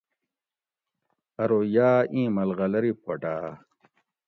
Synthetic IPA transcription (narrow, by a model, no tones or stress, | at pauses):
ɐɾojaːʔĩːmɐlɣɐlɐɾipʰoʈaː